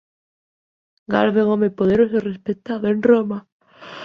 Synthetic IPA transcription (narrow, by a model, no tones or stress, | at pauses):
ɡaɾβeŋomepoðeɾoserespet̪aðoenroma